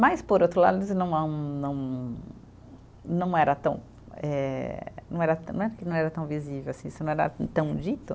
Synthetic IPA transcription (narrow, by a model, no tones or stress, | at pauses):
majspoɾowt̪ɾʊla̰d̪ʊisnɐ̃w̃ɐ̃nɐ̃w̃ | nɐ̃w̃ɛɾɐt̪ɐ̰̃w̃ | ɛnɐ̃w̃ɛɾɐt̪ɐ̃nɐ̃ɛpʊɾkenɐ̃w̃ɛɾɐt̪ɐ̃w̃vizivewasĩisʊnɐ̃w̃ɛɾa̰t̪ɐ̃w̃d͡ʒit̪ʊ